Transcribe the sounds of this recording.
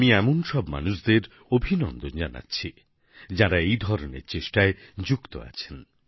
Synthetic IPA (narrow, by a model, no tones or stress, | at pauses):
amiɛmonʃɔbma̰nuʃd̪eɾ | obʱinɔnd̪od͡ʑana̰tːɕʰi | d͡ʑaɾaejd̪ʱɔɾonḛɾt͡ɕeʃʈaed͡ʑukt̪o̰a̰t͡ɕʰen